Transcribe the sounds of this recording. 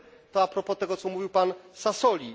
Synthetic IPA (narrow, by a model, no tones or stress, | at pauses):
t̪ɔapɾɔpɔt̪ɛɡɔt̪sɔmuvʲiwpansasɔlʲi